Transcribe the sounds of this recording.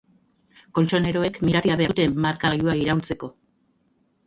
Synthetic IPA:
ko̞lt͡ʃo̞ne̞ɾo̞e̞kmiɾaɾiaβe̞aut̪e̞maɾkaɣaʎuaiɾawlt͡se̞ko̞

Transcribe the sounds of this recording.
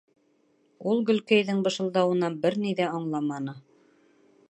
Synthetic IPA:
ulˠɡɵ̆lkæjðɘŋbɤ̆ʃɤ̆lˠd̪ɑwɤ̆nɑbɘɾniðæɑɴlˠɑmɑnɤ

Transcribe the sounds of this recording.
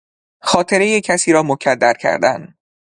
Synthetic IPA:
xɒːt̪ʰeɾe̞jecʰæsiːɾɒːmocʰæd̪ːæɾcʰæ̰ɾd̪æn

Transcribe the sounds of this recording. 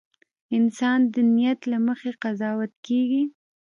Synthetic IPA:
ɪnsɑnd̪ənijat̪laməxeqazɑwat̪keɡi

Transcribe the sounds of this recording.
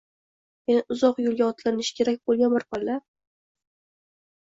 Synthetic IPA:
enɪʊzɒqjolˠɡʲaɒt̪ʰlanɪʃkʲʰe̞ɾak̚ʲbolˠɡʲanbɪɾpɒlːa

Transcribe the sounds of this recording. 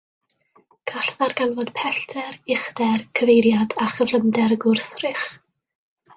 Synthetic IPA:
ɡ̥ʰaɬθarɡanvɔd̥pʰɛɬtʰɛrɪχd̥ɛrkʰəvejɾjadaχəvlˠəmdɛɾəɡʊrθrɪχ

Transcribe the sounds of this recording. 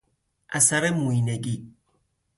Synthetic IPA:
a̰saɾɛmuineɡi

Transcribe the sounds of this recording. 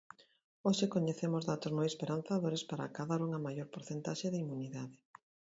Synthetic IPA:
oʃekoɲeθemʊzðat̪ozmojespeɾan̟θaðoɾespaɾa̰kaðaɾuŋɐmajoɾpoɾθent̪aʃeðimuniðaðɪ

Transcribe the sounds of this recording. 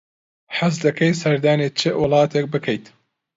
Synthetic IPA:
ħazd̪ɐkʰɐjsɐɾd̪aːnet͡ʃʰɨwɨlˠɑːt̪ʰek̚bɨkʰɐjt̪

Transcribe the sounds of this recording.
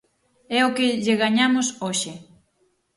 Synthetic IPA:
ɛokɪʎeɣaɲamʊsoʃɪ

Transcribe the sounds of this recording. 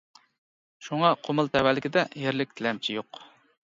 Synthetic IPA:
ʃuŋɑqʰomɨlˠt̪ʰɛwælːɪkʲid̪ɛjeɾlɪk̚ʲt̪ʰɪlɛmt͡ʃʰijoq

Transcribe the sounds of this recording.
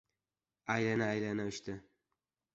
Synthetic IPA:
ajlanaajlanaʊʃt̪ɪ

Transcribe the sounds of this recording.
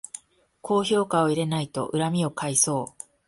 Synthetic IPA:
kʰo̞ːço̞ːkao̞iɾe̞nait̪o̞̰ʔɯ̟ɾamʲio̞kaiso̞ː

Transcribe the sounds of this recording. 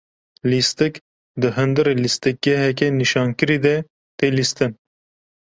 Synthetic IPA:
list̪ɨk | d̪ɨɦɨnd̪ɨɾelist̪ɨk̚ɡɛɦɛk̬ɛniʃɑːnkɨɾiːd̪ɛ | t̪eːlist̪ɨn

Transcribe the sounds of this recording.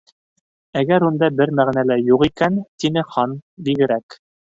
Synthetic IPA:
æɡæɾund̪ɑbɘɾmæʁnælæjuʁikænt̪inɘχɑnbiɡɘ̆ɾæk

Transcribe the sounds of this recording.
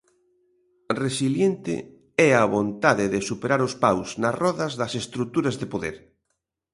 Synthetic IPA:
resiljent̪ɪ̰ | ɛaβont̪aðɪðɪsupeɾaɾʊspawsnɐsrɔðɐzðɐsest̪ɾut̪uɾɐzðepoðeɾ

